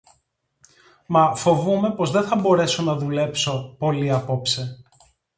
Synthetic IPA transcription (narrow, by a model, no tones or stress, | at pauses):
mɐfo̞vume̞po̞zðeθɐbo̞ɾe̞so̞nɐðule̞pso̞po̞liɐpo̞pse